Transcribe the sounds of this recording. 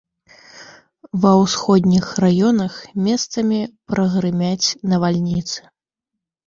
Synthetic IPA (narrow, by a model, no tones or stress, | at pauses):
vɐwsxɔd̪ʲnʲixrajɔnɐxmʲɛst̪sɐmʲipɾɐɣɾɨmʲat͡sʲnɐvalʲnʲit̪sɨ̥